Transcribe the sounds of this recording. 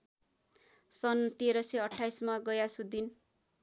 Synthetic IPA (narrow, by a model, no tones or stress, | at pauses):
sʌnt̪eɾʌseʌʈʰːajsmaɡʌjasud̪in